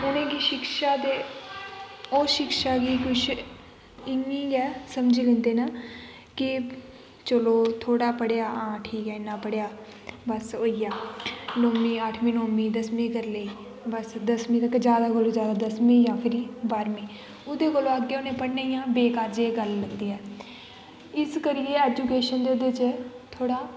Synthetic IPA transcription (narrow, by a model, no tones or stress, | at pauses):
ʊnẽːkiːʃɪkʃaːd̪eː | oːʃɪkʃaːɡiːkʊt͡ʃʰ | ɪŋiːjɛːsəmd͡ʒilẽːnd̪eːnaː | kɪ | t͡ʃəloːt̪ʰoːɽaːpəɽjaːʔãːʈʰiːkɛːɪnːãːpəɽjaː | bəsoːijaːlomĩːəʈʰmĩːnoːmĩːd̪əsmĩːkəɾleːiː | bəsd̪əsmĩːt̪əkːd͡ʒjaːd̪aːkolõːzjaːd̪aːd̪əsmĩːjãːpʰɪɾiːbaːɾmĩː | ʊd̪eːkolõːaɡːeːʊnẽːpəɽneijãːbeːkaːd͡ʒeːɡəlːənd̪iːɦɛː | ɪskəɾiːeːɛːd͡ʒuːkeːʃənd̪eːʊd̪et͡ʃt̪ʰoːɽaː